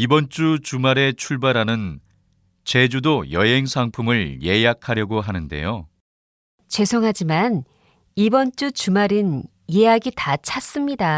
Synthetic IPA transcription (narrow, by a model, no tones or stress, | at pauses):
ibʌnt͡ɕ͈ut͡ɕumaɾe̞t͡ɕʰuɭbaɾanɯn | t͡ɕe̞d͡ʑudojʌɦe̞ŋsʰaŋpʰumɯɭje̞jakʰaɾjʌɡoɦanɯnde̞̰jo | t͡ɕe̞sʰoŋɦad͡ʑiman | ibʌnt͡ɕ͈ut͡ɕumaɾɯn | jejaɡitat͡ɕʰas͈ɯmɲida